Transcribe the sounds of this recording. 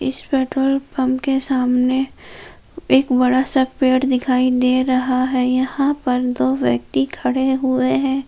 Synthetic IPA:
ɪ̰spɛːʈɾoːlpɐ̃mpkesaːmne | eːkbɐɽasɐk̚peːʈd̪ɪkʰaːid̪eːɾɐɦaɦɛjɐhãpɐɾd̪oːʋjɐk̚t̪ikʰɐɽeɦʊeɦɛ̃ː

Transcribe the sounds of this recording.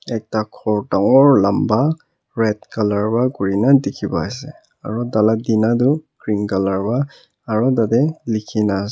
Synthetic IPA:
ɛk̚takʰɔɹtaŋɔɹlamba | ɹɛt̚kalaɹbakuɹinadikʰibaasɛ | aɹɔdaladinaduɡ̥ɹiŋkalaɹbaː | ɹɔdadɛlikʰinas

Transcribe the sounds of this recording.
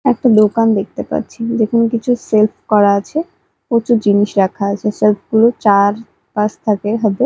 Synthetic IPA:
ɛk̚ʈad̪okand̪ek̚ʰt̪epa̰ɾt͡ɕʰid͡ʑekonokit͡ɕʰuselfʰkɔɾaat͡ɕʰe | ot͡ɕud͡ʑiniʃɾakʰaat͡ɕʰeselfɡulot͡ɕaɾ | paʃt̪ʰakeɦat̪e

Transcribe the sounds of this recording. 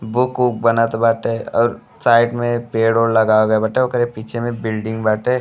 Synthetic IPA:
bʊkuːk̚bɐnat̪baːʈeɔːɾ | saːɪʈmẽpeːɽoːɽlɐɡaːoɡɐebɐʈeokəɾepiːt͡ʃʰemẽbɪlɖɪ̃ŋɡbaːʈe

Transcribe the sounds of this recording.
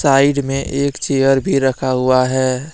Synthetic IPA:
saːɪɖmẽʔeːkt͡ʃeːjəɾbʱiɾɐkʰaɦʊaɦɛː

